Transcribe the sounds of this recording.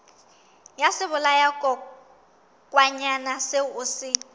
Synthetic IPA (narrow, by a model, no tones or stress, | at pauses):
jasɪβʊlajakʼɔ | kʼwaɲanaseʊsɪ